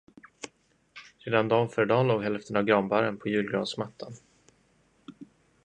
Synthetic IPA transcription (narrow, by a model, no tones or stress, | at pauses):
ɾeːd̪and̪ɑːnfœːɖɑːloːɡɦɛlft̪ʰənavɡɾɑmbaɾənpʰɔjʉ̟ːlɡɾɑːnsmat̪ʰːan